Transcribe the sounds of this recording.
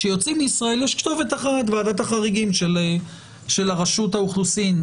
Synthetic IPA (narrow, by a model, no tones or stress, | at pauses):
ʃejo̞t͡simeisʁae̞ljɛʃkt̪o̞vetaχat̪̬veadat̪aχaʁiɡimʃele | ʃe̞laʁaʃuthauχlusin